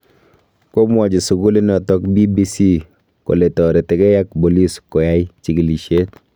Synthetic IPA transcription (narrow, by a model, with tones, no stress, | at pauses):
ko˦mwa˨d͡ʒi˨sʊ˨ɡu˦li˦nɔ˨tɔ˦k̚bi˦bi˦si˦ | ko̰˨le˨tɔ˨ɾe˨tɛ˨kɛ˦ja˦k̚bo˨li˦skɔ˨ja˦jt͡ʃi˨ki˨li˨ʃe˦t̚